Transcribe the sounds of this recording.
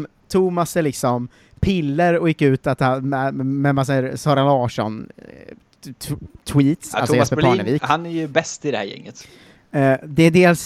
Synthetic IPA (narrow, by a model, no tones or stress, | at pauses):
t̪ʰuːmasɛlɪksɔm | pʰɪlːəɾɔjɪkːʉ̟ːt̪at̪hammɛmas̬aɾsɑːɾalɑːʂɔ̰n | t̪ʰwiːt̪salʰsɔɛspəpɑːɳəviːkhanæɾjɵbɛst̪ɪd̪ɛhæ̰ɾjɛ̰ŋːət̪ː | d̪ɛːɖ̪eːls